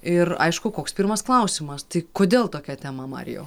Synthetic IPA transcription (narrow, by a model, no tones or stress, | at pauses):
ɪrɐ̰ɪʃkʊkoːkspʲiːɾmɐsklˠɐʊsʲɪmɐst̪ɐɪkoːd̪ʲeːlˠt̪oːkʲɛt̪ʲɛmɐmɑ̰ːɾʲɪ̰jo̰